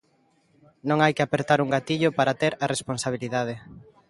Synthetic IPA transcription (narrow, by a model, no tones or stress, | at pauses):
nõŋajkɪapeɾt̪aɾuŋɡat̪iʎopaɾat̪eɾaresponsaβ̞iliðað̞e